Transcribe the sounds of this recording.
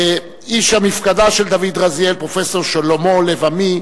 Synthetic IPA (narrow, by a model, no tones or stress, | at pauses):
e | iʃamifkad̪aʃeld̪avid̪ʁazjelpʁofesoʁʃalomolevami